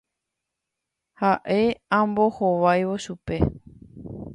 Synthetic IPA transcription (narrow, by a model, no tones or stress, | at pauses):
haʔe̞ãmbo̞hoʋajʋo̞ʃupe̞